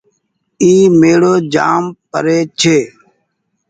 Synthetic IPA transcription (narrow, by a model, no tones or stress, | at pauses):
iːmeːɽoːd͡ʒaːmpə̰ɾeːt͡ʃʰeː